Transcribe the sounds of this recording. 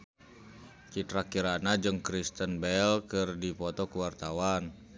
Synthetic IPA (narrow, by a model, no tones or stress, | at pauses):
t͡ʃit̪ɾakiɾanad͡ʒɨŋkɾist̪ənbɛlkɨrdipɔt̪ɔkuwart̪awan